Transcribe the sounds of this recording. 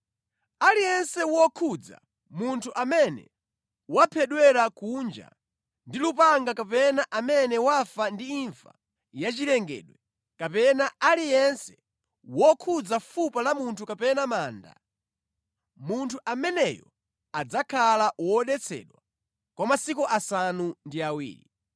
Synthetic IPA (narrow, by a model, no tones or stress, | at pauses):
alijɛnsɛwɔkʰud͡za̰ | muntʰuʔamɛnɛ̰ | wapʰɛɗwɛɾakund͡ʒa̰ | ndilupaŋɡakapɛnaʔamɛnɛwafandiiɱfa̰ | jat͡ʃilɛŋɡɛ̰ɗwɛ | kapɛnaalijɛnsɛ̥ | wɔkʰud͡zafupalamuntʰukapɛnamaːnda̰ | muntʰuʔamɛnɛjɔ | ad͡zakʰalawɔɗɛt͡sʰɛ̰ɗwa | kwamasikuʔasanundiawḭːɾi